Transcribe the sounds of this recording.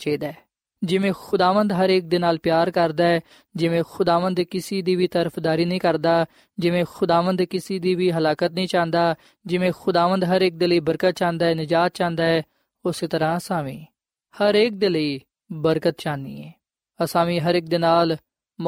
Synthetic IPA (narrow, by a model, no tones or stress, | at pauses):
t͡ʃeːd̪a | d͡ʒɪʋẽːxʊd̪aːʋə̃nd̪ɦəɾeːk̚d̪ɪnaːlpjaːɾkəɾd̪aːɛː | d͡ʒɪʋẽːxʊd̪aːʋə̃nd̪kɪsiːd̪iːʋiːt̪əɾəpʰd̪aːɾiːnəĩːkəɾd̪aː | d͡ʒɪʋẽːxʊd̪aːʋənd̪kɪsiːd̪iːʋiːɦəlaːkət̪nəĩːt͡ʃãːnd̪aː | d͡ʒɪʋẽːxʊd̪aːʋə̃nd̪ɦəɾeːk̚d̪eːləiːbəɾkət̪̚t͡ʃãːnd̪aːɛːnɪd͡ʒaːt̪̚t͡ʃãːnd̪aːɛː | ʊseːt̪əɾãːəsaːmḭː | həɾeːk̚d̪eːləiː | bəɾkət̪̚t͡ʃãːnd̪ḭːɛː | əsaːmiːɦəɾeːk̚d̪ɪnaːl